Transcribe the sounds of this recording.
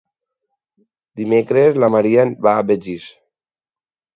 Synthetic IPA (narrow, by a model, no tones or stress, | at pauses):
d̪imekɾezlamaɾianβabed͡ʒis